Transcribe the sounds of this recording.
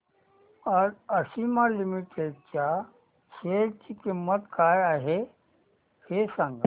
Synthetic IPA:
ɐɾɐsimãlimiʈeːɖ̚kjaː | seːɾkikimːət̪kaːjaɦe | hesãŋɡ

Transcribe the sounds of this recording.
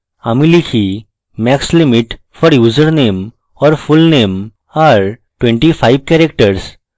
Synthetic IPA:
amilikʰi | mɛkslimiʈ | fɔɾjuːzəɾnem | ɔɾfulnem | aɾ | ʈwẽɳʈifajbkɛɾek̚ʈəɾs

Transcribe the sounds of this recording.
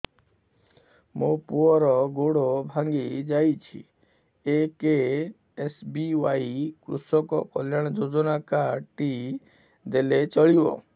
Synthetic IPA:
mũpuɔɾɔɡoɽobʱaŋɡid͡ʒajt͡ʃʰḭ | eke | esbiwajkɾṵsɔkɔkɔljaɽ̃ɔd͡ʒod͡ʒɔnakaʈi | d̪elet͡ʃɔɭibɔ̰

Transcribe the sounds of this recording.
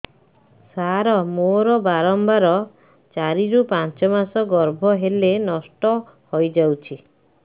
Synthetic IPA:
saɾɔmoɾɔbaɾɔmbaɾɔ | t͡ʃaɾiɾupãnt͡ʃɔmasɔɡɔɾbʱɔɦelenɔsʈɔ | hojd͡ʒawt͡ʃʰi

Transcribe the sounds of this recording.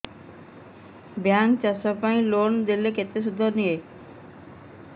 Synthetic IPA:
bjaŋkt͡ɕasɔpãĩlond̪eleket̪ːeʃ̬ud̪ʱːoɾnije

